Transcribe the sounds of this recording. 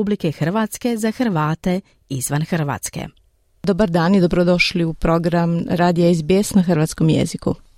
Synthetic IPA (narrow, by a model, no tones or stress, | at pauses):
ublikexrʋat̪ske̞zaxr̩ʋaːt̪e̞ | izʋanxr̩ʋa̰t̪skḛ | d̪obaɾd̪aːnjed̪obɾod̪o̞ʃliupɾo̞ɡɾamɾaːd̪ijaizbjeːsnaxr̩ʋaːt̪sko̞mjḛzikṵ